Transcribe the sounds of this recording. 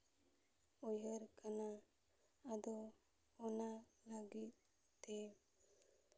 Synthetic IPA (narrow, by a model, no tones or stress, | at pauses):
ɔjəɾkanaː | d̪ɔ | ɔnaləɡit̪̚ | t̪ːɛ